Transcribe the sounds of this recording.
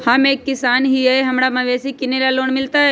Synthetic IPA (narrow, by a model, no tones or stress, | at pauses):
hameːkːɪsaːnɦieɦɐmɽamãʋeːsikɪnelaloːɳmɪlt̪aɦɛ